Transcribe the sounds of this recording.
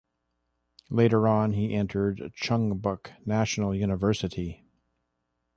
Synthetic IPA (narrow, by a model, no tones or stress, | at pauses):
leɪɾə˞ɑ̃niʔɛ̃ntʰə˞dt͡ʃʰʌ̃ŋbʌknæʃn̩l̩ˠjʉnəvɜ˞sɨɾi